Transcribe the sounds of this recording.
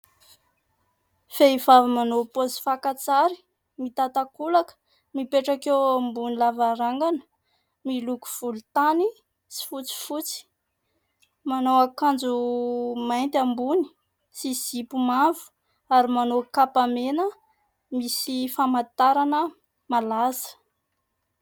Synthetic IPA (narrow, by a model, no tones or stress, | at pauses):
feivavimanopozi̥fakat͡saɾi̥ | mit̪at̪akulakə̥ | mipeʈ͡ʂakewambunilavaɾaŋɡanə̥ | miluku̥v̥ulut̪ani | si̥fut͡si̥fut͡si̥ | manowakand͡zumajnt̪ambuni̥ | siz̥ipumavu̥ | aɾimanokapamenə | misifamat̪aɾanə | malazə̥